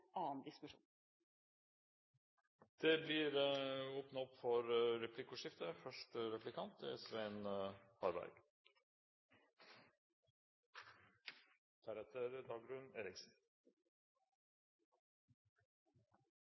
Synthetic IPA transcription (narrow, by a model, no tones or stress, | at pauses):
ɑːnd̪ɪskʉʂṵːn | d̪̥eːblɪːɾoːpnɑɔpfɔɾɾɛpʰlɪkʊʂɪft̪əfœʂʈəɾɛplɪkʰɑnt̪ɪɛsʋɛɛnəhɑɾbæ̰ɾɡ̥ | t̪ʰɑɾɛt̪ʰəɾd̪ɑːɡɾʉneːɾɪksn̩